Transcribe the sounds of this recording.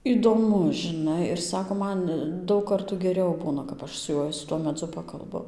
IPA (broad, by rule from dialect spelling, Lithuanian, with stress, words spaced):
iːdoːˈmʊs ʒʲɪˈnɐɪ ɪr ˈsɑːkoː ˈmɐn ˈdɐʊk ˈkɐrtuː ɡʲɛˈrʲɛʊ ˈbuːnɐ kɐp ˈɐʃ sʊ ˈjuɔj sʊ ˈtuɔ mʲɛˈd͡zʊ ˈpɑːkɐlˠbʊ